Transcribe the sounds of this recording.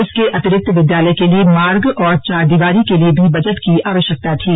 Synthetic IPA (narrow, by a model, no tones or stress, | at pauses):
ɪskeʔɐt̪ɪɾɪk̚t̪ʰːʋɪd̪jaːləjkeliemaːɾɡɔːɾt͡ʃaːɾd̪iːʋaːɾikeliebʱibɐd͡ʒəʈkiaːʋəʃjək̚t̪at̪ʰiː